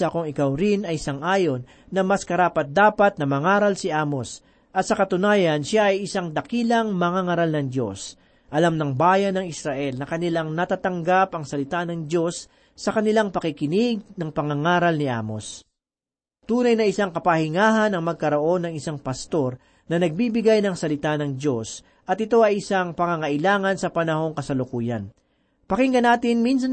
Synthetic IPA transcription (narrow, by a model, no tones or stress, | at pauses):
ɐkoŋɪkawɾɪnɐjsaŋʔaːjo̞nːɐmɐskɐɾaːpɐt̪̚d̪aːpɐt̪̚nɐmɐŋaːɾɐlsɪʔaːmo̞s | ʔɐt̪sɐkɐt̪ʊnaːjɐnʃaʔɐjɪsaŋd̪ɐkiːlɐŋmɐŋaŋaɾalnɐŋd̪o̞s | ʔɐlamnɐŋbaːjɐnɐŋɪsɾaʔɛlnɐkɐnɪlaŋnɐt̪aːt̪ɐŋɡapɐŋsɐlɪt̪anɐŋd̪o̞sː | ɐkɐnɪlaŋpɐkɪkɪnɪɡ̚nɐŋpɐŋɐŋaːɾɐlnɪʔa̰ːmo̞̰s | t̪uːnɐjnɐɪsaŋkɐpɐhɪŋaːɦɐnɐŋmɐɡ̚kɐɾo̞ʔo̞nːɐŋɪsaŋpɐst̪o̞ɾ | nɐnɐɡ̚bibɪɡajnɐŋsɐlɪt̪anɐŋd̪o̞s | ʔɐt̪ɪt̪o̞ʔɐjɪsaŋpɐŋaŋɐʔɪlaːŋɐnsɐpɐnɐho̞ŋkɐsɐlʊkuːjɐn | pɐkɪŋɡɐnaːt̪ɪnmins̬ɐ